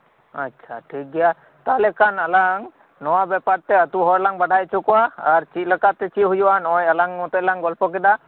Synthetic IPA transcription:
atːt͡ʃʰa̰ʈʰik̚ɡɛja | t̪alɛkʰanalaŋ | nɔwabɛpaɾt̪ɛət̪uɦɔɾlaŋbaɖʱajt͡ʃukɔwaaɾt͡ʃit̪̚ˀlakat̪ɛt͡ʃit̪̚ɦujuwanɔjalaŋmɔt̪ɛlaŋɡɔlpɔk̬ɛd̪a

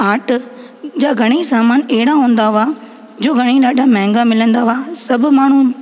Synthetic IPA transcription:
aːʈ | d͡ʑaːɡʱɐɽ̃isaːmaːnɛɦɪɽaɦũːn̆d̪aʊa | d͡ʑoːɡʱɐɽ̃iɗaːɗʱamɛ̃ːŋɡamɪlə̃nd̪aʊasɐbʱʊ̆maːɳ̤ũ

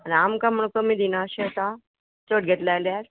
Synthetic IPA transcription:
anamkam̤əɳ̃ukəmiːd̪inaəɕeət̪a | t͡soʈ̚ɡʱet̪lajljaɾ

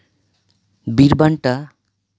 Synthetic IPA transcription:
biɾbaɳʈa

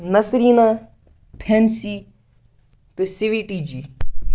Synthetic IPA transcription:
nɐsɾiːnaː | pʰensiː | t̪esɪʋiːʈiːd͡ʒiː

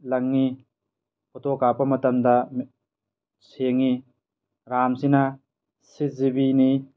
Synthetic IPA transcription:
lɐŋːi | pɔtokapɐmɐtɐmdɐm | seŋi | ɾamsinɐ | sit̚zibini

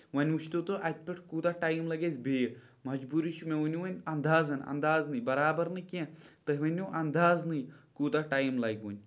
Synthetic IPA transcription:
ʋɐnʲuʃʰt̪ot̪oʔɐt̪̚ʲpʲeʈʰkuːt̪aʈajmlɐɡʲezʲbeː | mɐd͡ʒbuɾiʃʰumeʋunʲuʋɐnʲɐnd̪aːzɐnɐ̰nd̪aːznɨjbɐɾaːbɐɾnɨkʲẽt̪ɨɦʋɐnʲoʔɐnd̪aːznɨjkuːd̪aʈajmlɐɡʲunʲ

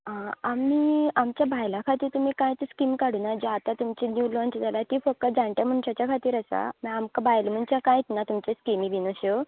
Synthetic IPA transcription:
aamiːamt͡ɕjabʱajlãkʰat̪iːɾt̪um̤iːkãjt̪skimkaɽuːnad͡ʑeat̪at̪umt͡ɕenjuːlɔ̃nt͡ɕd͡zalat̪ifək̚t̪əd͡zãɳʈ̪jam̤əɳɕat͡ɕjakʰat̪iːɾəsa̰miamkabajlm̤əɳt͡ɕãkãjt̪nat̪umt͡ɕeskimibʱinoɕo

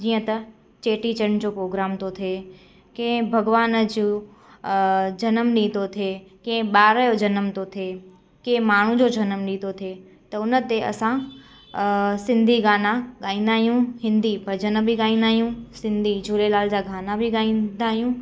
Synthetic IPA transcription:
d͡ʑiːə̃t̪ɐ | t͡ɕeːʈit͡ɕənd͡ʑopɾoːɡɾaːmt̪ot̪ʰeː | kẽbʱɐɡʋaːnəd͡ʑu | d͡ʑɐnəmɗĩːt̪ot̪ʰekẽɓaːɾəjod͡ʑɐnəmt̪ot̪ʰeː | kẽmaːɳ̤ũd͡ʑod͡ʑɐnəmɗĩːt̪ot̪ʰe | t̪ɐʊnət̪eɐ̰sã | sɪ̃nd̪ʱiɡaːnaɠaːĩːnd̪aːɦijũɦɪ̃nd̪ibʱɐd͡ʒənbʱiɡaːĩnd̪aːɦijũsɪ̃nd̪ʱid͡ʑʱuːlelaːld͡ʑaɡʱaːnabʱiɡaːĩnd̪aːɦijũ

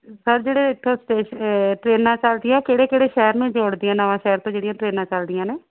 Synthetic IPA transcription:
səɾd͡ʒeːɽeːɪʈ̪ʰːõːsʈeːʃʈɾeːnãːt͡ʃəld̪ɪjãːkeːɽeːkeːɽeːʃɛːɾmẽːd͡ʒoːɽd̪ijãːnəʋãːʃɛːɾt̪õːd͡ʒeːɽɪjãːʈɾeːnãːt͡ʃəld̪ɪjãːneː

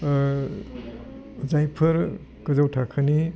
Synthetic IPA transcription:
zajpʰɐɾ | kɐzawtʰakʰɯni

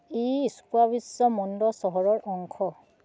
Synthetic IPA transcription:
eskwabisɔmɔndɔsɔɦɔɹɔɹʔɔŋkʰɔ

